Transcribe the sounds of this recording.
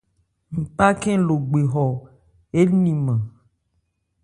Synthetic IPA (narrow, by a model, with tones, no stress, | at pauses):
ŋ̩˨pa˦kɛ̃˦lo˨ɡ͡be˨ɦɔ˨ | e˦nĩ˨mã˨